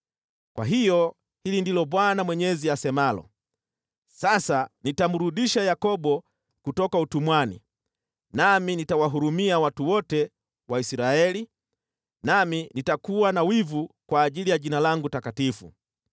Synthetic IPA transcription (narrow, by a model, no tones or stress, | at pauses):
kwa̰ɦijɔ | hilindilɔɓwanamwɛɲɛziasɛmalɔ̰ | sasanitam̩ɾuɗiʃajakɔɓɔ | kutɔkautumwanḭ | naminitawaɦuɾumiawatuwɔtɛ | waisɾaɛli | naminitakuwanawivukwaːʄilijaʄinalaŋɡutakatifṵ